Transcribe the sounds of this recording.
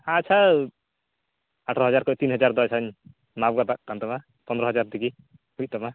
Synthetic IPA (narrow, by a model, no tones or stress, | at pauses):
at͡ʃʰa | aʈʰɾʌɦʌd͡zaɾkɔt̪inɦʌd͡ʒaɾd̪ɔjsʰan | mab̚ɡat̪ak̚t̪ant̪ɔma | pʌnd̪ɾʌɦʌd͡zaɾd̪iki | ut̪ɔma